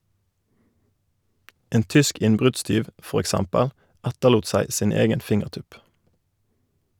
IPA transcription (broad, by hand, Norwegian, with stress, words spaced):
ˈeːn ˈtʏsk ˈɪnbʁʉdˌstyːʋ ˈfɔʁ ɛkˈsɛmpəl ˈɛtəluːt ˈsæɪ ˈsiːn ˈeːɡən ˈfɪŋəʁˌtʉp